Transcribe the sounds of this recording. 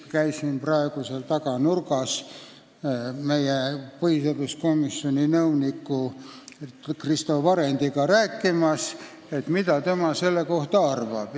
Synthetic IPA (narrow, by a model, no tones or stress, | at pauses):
kæjsinprɑeɡ̥use̞lt̪ɑkɑnurɡɑs | me̞jepɤhisod̪usko̞misːionʲinɤwnikːu | krist̪ovɑɾend̪̥iɡɑɾæːkːimɑs | e̞t̪mit̪ɑt̪e̞mɑse̞lːe̞ko̞ht̪ɑɑrvɑ̰b̥